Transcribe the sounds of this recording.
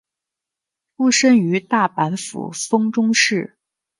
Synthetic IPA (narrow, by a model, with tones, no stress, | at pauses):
pu˥˩ʂə˥ŋy˧˥t̪a˥˩pa˧˥nfṵ˨˩fɤ˥ŋʈ͡ʂʊ˥ŋʂɻ̩˥˩